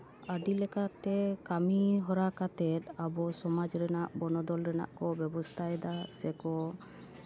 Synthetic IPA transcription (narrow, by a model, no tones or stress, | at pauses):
aɖilɛkat̪ɛkamiɦɔɾakat̪ɛt̪̚abɔsɔmad͡ʒɾɛnaʔbɔnɔd̪ɔlɾɛna̰ʔkɔbɛbɔst̪ʰajd̪asɛkɔ